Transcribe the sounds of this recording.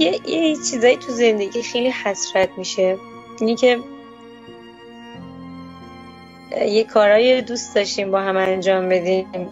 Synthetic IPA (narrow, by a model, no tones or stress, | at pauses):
jejet͡ʃʰiːzɒːjit̪ʰuze̞nd̪eɡiːxe̞jlihæsɾæt̪miːʃe̞ | iːnicʰe̞ | jekʰɒːɾɒːjed̪usd̪ɒːʃt̪imbɒːɦæmænd͡ʒɒːmbe̞d̪im